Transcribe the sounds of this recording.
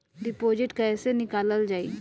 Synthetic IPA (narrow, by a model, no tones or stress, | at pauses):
ɖɪpoːd͡ʒɪʈkɛːsenɪkaːləld͡ʒaːḭ